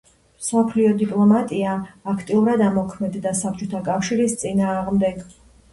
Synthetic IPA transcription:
msɔpʰliɔd̪ipʼlˠɔmat̪ʼiaːkʰt̪ʼiuɾad̪amɔkʰmɛd̪d̪asap̚ʰt͡ʃʼɔt̪ʰakʼafʃiɾist̪sʼinaːʁmd̪ɛɡ

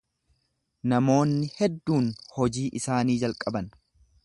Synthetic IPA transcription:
nɐmo̞ːnːɪhɛd̪ːuːnhɔd͡ʒiːʔɪsaːniːd͡ʒɐlkʼɐbɐn

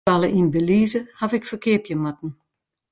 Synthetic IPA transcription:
alˠəʔindəliːzəhafɪkfərkʰɪəpjəmatn̩

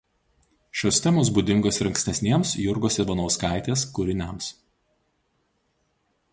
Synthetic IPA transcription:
ʃʲoːsʲt̪ʲɛmoːs̬buːd̪ʲɪŋɡoːsɾɐŋksʲt̪ʲɛsʲnʲiɛmsjʊɾɡoːsʲɛʋɐnoːskɐˑɪt̪ʲeːskʊɾʲɪnʲæms

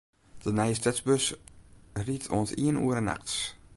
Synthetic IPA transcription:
d̥ənɛjəstɛsbøs | riətʰo̰ənsiənṵːəɾəna̰xts

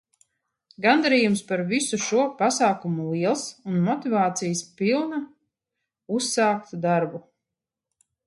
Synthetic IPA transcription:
ɡand̪aɾiːjumspaɾvisuʃuɔpasaːkumulˠiɛlˠsunmɔt̪ivaːt̪sijspilˠna | usːaːkt̪d̪aɾbu

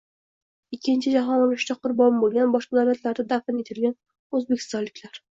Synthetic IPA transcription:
ɪkʲːɪnt͡ʃʰɪd͡ʒaɦɒnɒlʊʃt͡ʃ̪aqʰʊɾbɒmbolˠɡʲanbɒʃqɑd̪awlat̪laɾd̪ad̪afɪnet̪ʰɪlɡʲan | ɵzbekʰʲɪ̥st̪ɒnlɪkʲlaɾ

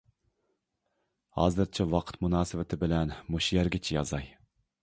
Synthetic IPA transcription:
hɑ̰ːzɨɾt͡ʃʰɛwɑqʰə̥t̪munɑːsɨvɪt̪ʰɪbɪlɛnmoʃjɛɾɡʲɪt͡ʃʰijɑ̰zɑj

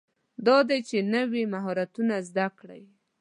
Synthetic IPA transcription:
d̪ɑd̪ajt͡ʃenəwimaɦɔɾat̪unazd̪akɽa̰j

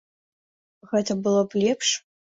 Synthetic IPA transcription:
ɣɛt̪ɐbɨlˠɔblʲɛpʂ

